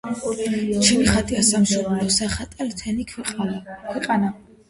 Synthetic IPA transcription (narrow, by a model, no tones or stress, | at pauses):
t͡ʃʰɛniχat̪ʰʼiasamsɔɾulɔsaχat̪ʼalt̪ʰɛnikʰ | kʰwɛqʼana